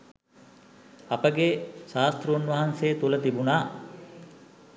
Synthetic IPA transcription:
ɐpəɡeʃaːst̪ɾuunʋɐɦanseːt̪ulət̪ibunaː

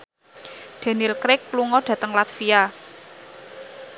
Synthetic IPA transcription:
d̪̥a̤nɪlkɾɪkːluŋɔɖ̪̥ä̤t̪əŋlat̪fia

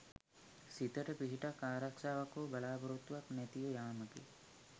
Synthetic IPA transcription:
sit̪ɐʈɐpiɦiʈakaːɾɐkʃaːʋɐkobɐlaːbɐɾut̪ʋɐknet̪ijɐjaːmɐkḭ

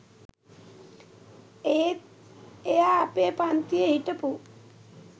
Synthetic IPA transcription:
e | ejaːpeːpant̪ijeɦiʈəpu

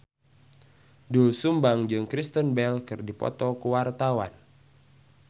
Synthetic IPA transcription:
dosumbaŋd͡ʒɨŋkɾist̪ənbɛlkɨrdipɔ̰t̪ɔkuwart̪awa̰n

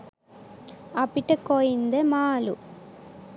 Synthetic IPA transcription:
ɐpiʈːɐkːoːjind̪emaːlṵ

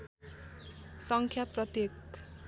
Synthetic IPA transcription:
sʌŋkʰjaprʌt̪jek

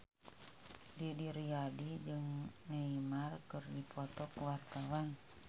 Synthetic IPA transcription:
didiɾiadid͡ʒɨŋnaimarkɨrdipʰɔt̪ɔkəwart̪awan

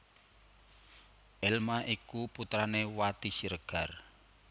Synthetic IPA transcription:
ʔɛlmaʔikuput̪ɾanewat̪isiɾəɡ̥a̤r

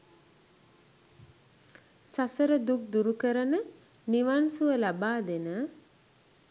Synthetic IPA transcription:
sasəɾəd̪uk̚d̪uɾukəɾənə | niʋansuʋəlabaːd̪enə

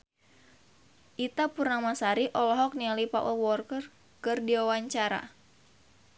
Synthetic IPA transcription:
ʔit̪apurnamasaɾiʔɔlɔɦɔk̚nialipaʔəlwɔrkər | kɨrdiwawaɲt͡ʃaɾa̰

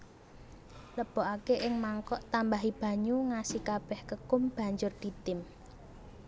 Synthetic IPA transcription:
ləb̥ɔʔakeʔɪŋmaŋkɔʔt̪ambaɦib̥a̤ɲuŋasikab̥ɛhkəkʊmb̥ä̤ɲd͡ʒʊrd̪̥i̤t̪ɪm

